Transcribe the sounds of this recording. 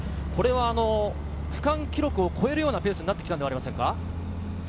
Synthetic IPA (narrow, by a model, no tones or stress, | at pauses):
ko̞ɾe̞βaːno̞ | ɸɯ̟̥kãŋkʲiɾo̞kɯ̟o̞kʰo̞e̞ɾɯjo̞ːnape̞ːsɨɲ̟inat̪ːekʲit̪and̪eaɾʲimasẽ̞ŋka